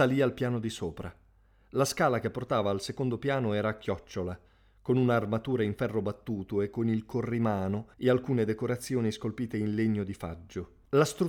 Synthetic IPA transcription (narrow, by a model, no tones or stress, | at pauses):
aliːalpjaːnod̪isoːpɾa | laskaːlak̟epːort̪aːvaːlsekond̪opjaːnoɛːɾaːkːjɔt͡ʃːola | konunaːrmat̪uːɾaiɱfɛrːobat̪ːuːt̪oekːonilkorːimaːnoealkuːned̪ekoɾat̪sːjoːniskolpiːt̪einleɲːod̪ifa̰d͡ʒːo | last̪ɾu